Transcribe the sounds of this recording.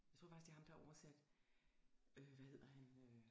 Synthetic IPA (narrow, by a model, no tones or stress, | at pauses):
jɑɪ̥t͡sʰo̝ɐfɑ̈ɡ̥isɡ̥d̥ehɑ̈md̥ɑ̈ɒʊɐsæd̥ | øʋæhe̝ð̰ˠɐhænø